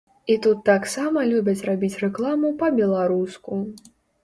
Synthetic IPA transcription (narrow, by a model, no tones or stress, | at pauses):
it̪ut̪ːaksamɐlʲubʲɐt͡sʲrabʲit͡sʲrɛklˠamupɐbʲɛlˠaɾusku